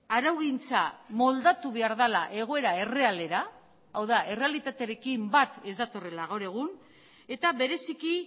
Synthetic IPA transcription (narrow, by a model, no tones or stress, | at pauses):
aɾawɣint͡samo̞ld̪at̪uβe̞aɾðalaʔe̞ɣ̞o̞e̞ɾae̞re̞ale̞ɾa | awðaʔe̞re̞alit̪at̪eɾe̞kimbat̪e̞zd̪at̪o̞re̞laɣ̞awɾe̞ɣ̞un | e̞t̪aβe̞ɾe̞siki